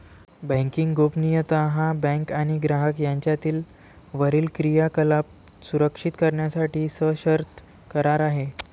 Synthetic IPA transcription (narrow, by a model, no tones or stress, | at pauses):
bə̃ŋkiŋɡɡopnijət̪aɦãbɛ̃ŋkaɽ̃iɡɾaɦəkjaɲt͡ɕjat̪iːl | ʋəɾiːlkɾijakəlap̚ | suɾəkʂit̪kəɾɳjasaʈiːsəɕəɾt̪ | kəɾaɾaɦe